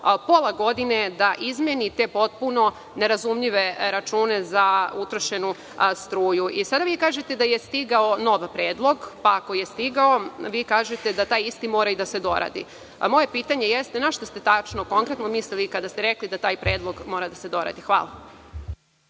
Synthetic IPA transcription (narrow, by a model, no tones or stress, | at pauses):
polˠaɡo̞d̪ine̞d̪aʔizmenit̪epo̞t̪̚puno̞ | ne̞ɾazumʎiʋe̞ɾat͡ʃuːne̞zaut̪ɾoʃe̞nu | st̪ɾuːjuisad̪aʋiːkaːʒe̞t̪ed̪ajest̪iɡao̞no̞ʋpɾe̞ːd̪lˠo̞ɡpaːko̞jest̪iɡao̞ʋiːkaːʒe̞t̪ed̪at̪aːjist̪imo̞ːɾaid̪ase̞d̪o̞̰ɾa̰d̪ḭ | mo̞je̞piːt̪aɲe̞jest̪enaʃt̪ost̪e̞t̪at͡ʃnoko̞ŋkɾe̞t̪nomiːst̪elikad̪ast̪eɾe̞klid̪at̪aːjpɾe̞ːd̪lˠo̞ɡmo̞ːɾad̪ase̞d̪o̞ɾa̰d̪ixʋa̰ːlˠa̰